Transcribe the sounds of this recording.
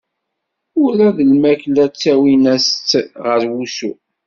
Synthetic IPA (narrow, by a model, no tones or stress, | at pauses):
ʊɾæðəlmæklæt͡sːæwinæst͡sːʁəɾwusu